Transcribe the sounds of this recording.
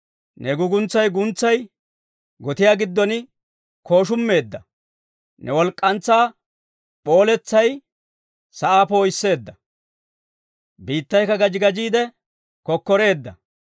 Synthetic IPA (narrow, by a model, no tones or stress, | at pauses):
nɛɡʊɡʊnt͡sːɐjɡʊnt͡sːɐj | ɡɔt̪ɪjaːɡɪd̪ːɔnɪ | kʰo̞ːʃ̬ʊmːe̞ːd̪ːɐ | nɛwɔlkʼːɐnt͡sːaː | ɓo̞ːlɛt͡sːɐj | sɐʔaːpoːjsːe̞ːd̪ːɐ | biːt̪ːɐjkɐɡɐd͡ʒɪɡɐd͡ʒiːd̪ɛ | kɔkːɔɾe̞ːd̪ːɐ